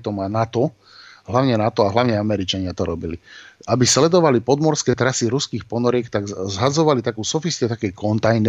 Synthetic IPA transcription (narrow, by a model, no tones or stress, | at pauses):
t̪ɔmanat̪ɔ | ɦlaʊɲɛnat̪ɔaɦlaʊɲɛamɛɾit͡ʃaɲɪat̪ɔɾɔbiliabislɛd̪ɔʋalipɔd̪mɔɾskɛt̪ɾasiɾuskiːxpɔnɔɾɪɛkt̪aɡzɦad͡zɔʋalit̪akuːsɔfist̪ɛt̪akɛjkɔnt̪ajn